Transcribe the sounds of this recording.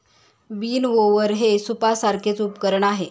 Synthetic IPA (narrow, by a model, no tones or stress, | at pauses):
ʋiːnʋoʋəɾɦesupasaɾkʰet͡supkəɾəɳaɦe